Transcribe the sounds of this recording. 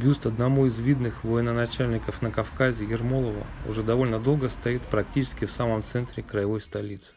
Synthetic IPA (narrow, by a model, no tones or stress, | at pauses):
bʲust̪ɐd̪nɐmuɪzvʲid̪nɨxvəjɪnənɐt͡ɕælʲnʲɪkəfnəkɐfkazʲɪjɪrmolˠəvə̰ʊ̰ʐɛd̪ɐvo̞lʲnəd̪o̞lˠɡəst̪ɐit̪pɾɐktʲit͡ɕɪ̥skʲɪfsaməmt̪sɛnt̪ɾʲɪkɾəjɪvo̞jst̪ɐlʲit̪sɨ̥